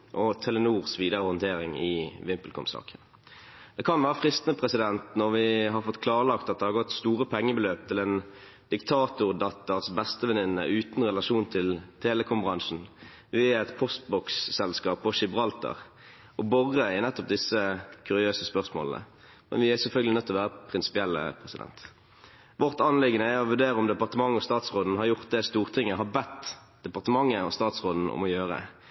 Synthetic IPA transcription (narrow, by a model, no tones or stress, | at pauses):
ʔɔt̪ʰɛlənuːʁsʋiːd̪əʁəhɔnt̪ʰeːʁɪŋɪʋɪmpəlkʰɔ̰msɑ̰ːkən | d̪̥ɛkʰɑnʋæːʁəfʁɪst̪ənəpʰʁɛsɪd̪ɛnt̪nɔʁʋɪɦɑʁfɔt̪ːkʰlɑːʁəlɑkt̪ɑt̪d̪ɛhɑɾʁɡɔt̪ːst̪uːʁəpʰɛŋːəbəløːp̚t̪ʰɪlɛn | d̪̥ɪkt̪ʰɑːt̪ʊʁd̪ɑt̪ːəʁsbɛst̪əʋɛnɪnːə̰ʉːt̪nʁɛlɑʃuːnt̪ʰɪlt̪ʰeːləkʰɔmbʁɑŋʂn̩ | ʋɪæɛt̪pʰɔst̪̚bɔksːɛlskɑːpːɔʂɪbʁɑlt̪ə̰ʁ | ʔɔbɔʁːəɪnɛt̪ːɔp̚d̪ɪsːəkʰʉɾɪøːsəspœʁsmo̰ːlnə̰ | mɛ̰nʋɪæsɛlfœlɡəlɪnœt̪ːɔlɔʋæːʁəpʰʁɪnsɪ̥pɪɛlːə̰pʰʁɛsɪd̪ɛ̰nt̪ | ʋɔʁt̪ɑnlɪɡənəæɔʋʉɾd̪eːɾəɔmd̪ɛpɑʁt̪əmɑŋːəɔst̪ɑːt̪sʁoːd̪n̩hɑɾjʊʁt̪̚d̪ɛst̪uːʁt̪ʰɪŋːəɦɑbɛt̪ː | d̪̥ɛpɑʁt̪əmɑŋːəɔ̰st̪ɑːt̪sʁoːd̪n̩ɔ̰mɔjøːʁə̰